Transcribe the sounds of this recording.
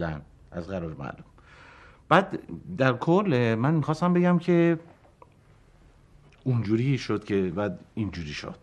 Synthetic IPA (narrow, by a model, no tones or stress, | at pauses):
æn | ʔæzɣæɾɔːɾemæ̰lum | b̥æːd̪d̪æɾkʰolːmænmixɒːst̪æmbeɡæmcʰe̞ | und͡ʒuːɾiʃod̪̥̚cʰebæd̪ind͡ʒuːɾiːʃo̰d̪̥